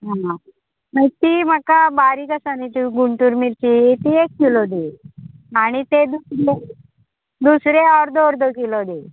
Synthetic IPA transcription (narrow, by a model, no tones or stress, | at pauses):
ɦã | mət̪iːm̤akabaɾikəsanit͡ɕiɡuɳʈuɾmiɾt͡ɕit̪iekːilod̪e | aɽ̃it̪ed̪usɾe | d̪usɾeɔɾd̪oɾd̪okilod̪e